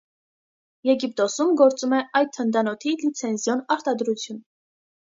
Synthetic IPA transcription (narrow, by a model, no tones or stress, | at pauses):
jɛɡip̚t̪ɔsumɡɔɾt͡sumɛɑjd̪̚ʰənd̪ɑnɔt̪ʰilit͡sʰɛnzjɔnɑɾt̪ɑd̪ɾut͡sʰjun